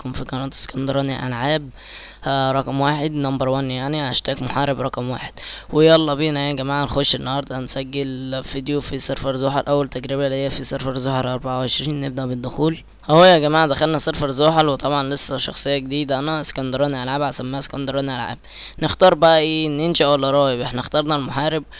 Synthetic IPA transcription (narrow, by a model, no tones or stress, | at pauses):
kunfikɑnɑːt̪ˤe̥skɑnd̪ɑɾˤɑːniʔæ̰lʕaːb̚ | ɾˤɑkɑmwaːħed̪nɑmbɑɾˤwænːjaʕniʔæʃt̪æːkmoħaːɾebɾˤɑqɑmwa̰ːħed̪̥wejɑlˤːɑbiːʔnæːæɡæmaːʕænxoʃenːɑhɑɾˤd̪ˤɑnsæɡːelfid̪jofiseɾfɑɾzoːħɑlʔæwːælt̪æɡɾeβælihejːæfiseɾˤfɑɾˤzoːħɑɾʔɑɾˤbaʕawʕeʃɾiːnːeb̚d̪æʔbed̪ːʊxuːl | hhojːæɡæmaːʕd̪æxælnæsˤɑɾˤfɑɾˤzoːħɑlwet̪ˤɑbʕɑnlesːæʃɑ̰xsˤejːɑɡed̪iːd̪æʔænæskɑnd̪ɑɾˤɑːniʔælʕaːbʕasæmːæːæse̥kɑnd̪ɑɾˤɑːniʔælʕa̰ːb̚ | next̪ɑːɾˤbæʔæʔeːʔnːenʃæʔwælːæɾˤɑːjbʔeħnæxt̪ɑɾˤnælmoħaːɾɪb̚